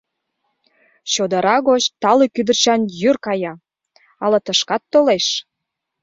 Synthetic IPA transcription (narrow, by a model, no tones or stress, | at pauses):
ɕod̪əɾɑɣot͡ɕt̪ɑlykyd̪ərt͡ɕɑnjyrkɑjɑ | ɑlɤt̪əʃkɑt̪ːoleʃ